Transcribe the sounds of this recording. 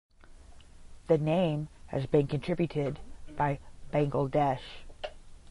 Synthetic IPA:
ðɨnẽɪ̃mɨ̰zbɨ̃nkʰɨ̃ntʰɹ̥ɪbjʉɾɪdb̥aɪb̥æ̃ŋɡl̩ˠdɛʃ

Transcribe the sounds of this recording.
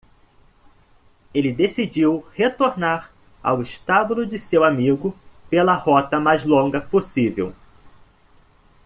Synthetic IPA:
elɪd̪esid͡ʒiwhet̪oɾnaɾ | a̰wɪʃt̪abulʊd͡ʒɪsewamiɡʊpelɐhɔt̪ɐmajzlõɡɐposivḛw

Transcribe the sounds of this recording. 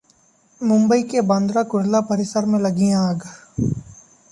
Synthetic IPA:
mʊ̃mbəikebãnd̪ɾakʊɽlapəɾɪsəɾmẽlɐɡijãɡ

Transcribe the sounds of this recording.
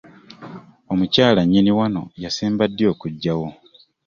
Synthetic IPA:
o̞mucaːlaɲːiniwano̞̰jaseːmbadːjo̞ːkuɟːawo

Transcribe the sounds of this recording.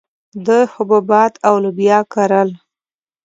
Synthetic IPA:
d̪əhʊbabɑt̪awləbjɑkaɾəl

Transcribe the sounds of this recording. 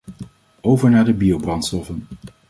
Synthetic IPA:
owvəɹnaːɹdəbiowbrɑntstɔfən

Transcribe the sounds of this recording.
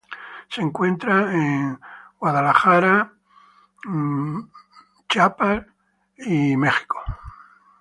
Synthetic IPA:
se̞ŋkwe̞nt̪ɾaeŋɡwaðalaxaɾa | t͡ʃapaɾ | imexi̥ko̥

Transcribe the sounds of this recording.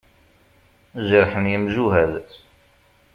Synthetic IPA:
zəɾħənjəmʒuɦæð

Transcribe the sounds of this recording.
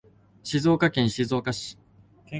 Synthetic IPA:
ɕizo̞ːkakẽɰ̃ɕizo̞ːkaɕi̥

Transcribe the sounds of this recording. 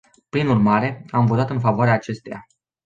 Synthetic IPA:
pɾinurmaɾe̞amvo̞t̪at̪ɨnfavoaɾeaːt͡ʃe̞st̪eja̰

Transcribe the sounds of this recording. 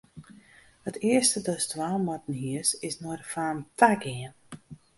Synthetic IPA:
hətʰɪəstədɔstwaːlˠmɔtən̩hiəsɪsnɔrfaːəntʰaɡɪən

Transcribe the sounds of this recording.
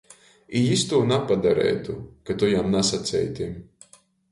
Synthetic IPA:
ijist̪uːnapad̪aɾɛ̰jt̪ukat̪ujamnasat̪sɛ̰jt̪ʲim

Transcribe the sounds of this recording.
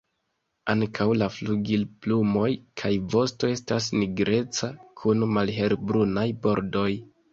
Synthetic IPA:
aŋkʰawlafluɡilplumo̞jkʰajvo̞sto̞e̞stas̬niɡɾʔe̞t͡sakʰunmalɦe̞ɾbɾunajbo̞ɾdo̞j

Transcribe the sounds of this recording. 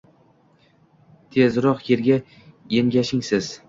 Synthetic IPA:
t̪ʰezɾɒqjeɾɡʲa | jeŋɡʲaʃɪŋsɪz̥

